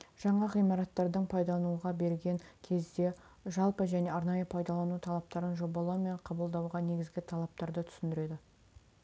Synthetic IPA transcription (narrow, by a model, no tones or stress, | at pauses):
ʒ̥ɑɴɑʁijmɑɾɑt̪ːɑɾd̪əɴpʰɑjd̪ɑlˠnuʁɑbe̞ɾɡʲe̞ŋkʲʰe̞zd̪e̞ | ʒɑlˠpəʒæne̞ɑɾnɑjəpʰɑjd̪ɑlˠɑnut̪ʰɑlˠɑp̚t̪ɑɾənʒo̞bɑlˠɑwme̞ɴqʰɑbəlˠd̪ɑwʁɑne̞ɡʲɪzɡʲɪt̪ʰɑlˠɑp̚t̪ɑɾd̪ət̪ʰʏ̥sɪnd̪ɪɾe̞d̪ɪ